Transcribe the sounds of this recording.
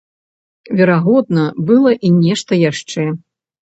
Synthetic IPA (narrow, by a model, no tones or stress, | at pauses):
vʲɛɾaɣɔd̪̚nɐbɨlˠɐʔinʲɛʂt̪ɐjaʂt͡ʂɛ